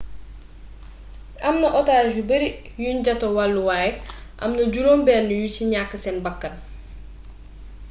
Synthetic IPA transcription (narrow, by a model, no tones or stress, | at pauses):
ʔɐmnɐʔɔtaːd͡ʒubɐɾi | juɲɟɐtowalːuwaːjɛʔɐ̰mnɐɟuɾoːmbɛːnːujuciɲakːɐsɛnbɐkːɐn